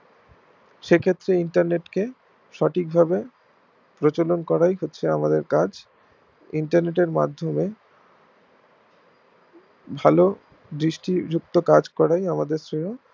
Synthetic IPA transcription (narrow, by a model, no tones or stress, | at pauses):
ʃekʰet̪ːɾeiɳʈaɾneʈke | ʃɔʈʰik̚bʱabe | pɾot͡ɕolonkɔɾajɦotːɕʰeamad̪eɾkad͡ʑ | iɳʈaɾneʈ̬eɾma̰d̪ʱːome | bʱalo | d̪ɾiʃʈid͡ʑuk̚t̪okad͡ʑkɔɽajamad̪eɾsɾiɦo